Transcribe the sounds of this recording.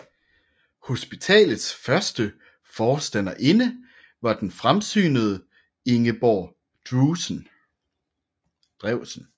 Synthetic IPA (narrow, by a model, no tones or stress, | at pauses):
ho̝sb̥it͡sʰɛ̰ːlð̩ˠsfɶɐsd̥ə | fɒːsd̥æn̰ɐʔe̝nə | ʋɑ̈d̥enfʁamsy̰ːnəð̞ˠə | e̝ŋəb̥ɒː | d̥usn | d̥ʁɛʊ̰sən̩